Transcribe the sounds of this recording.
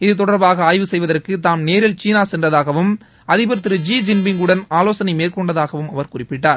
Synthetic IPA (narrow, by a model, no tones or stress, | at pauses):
ɪðɯt̪ɔɽɐɾbaːɣɐaːjʋɯsɛjʋɐðɐrkɯt̪aːmneːɾɪlt͡ʃiːnaːsɛndrɐðaːɣɐʋɯm | ɐðɪpɛɾɯt̪ːɯɾɯd͡ʒiːd͡ʒɪnbɪŋɡɯɽɐnaːloːsɐnɐɪmeːɾkɔɳɖɐðaːɣɐʋɯmɐʋɐɾkʊrɪpːɪʈːaːɾ